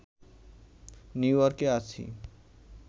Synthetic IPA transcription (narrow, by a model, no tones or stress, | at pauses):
njujɔɾkeat͡ɕʰḭ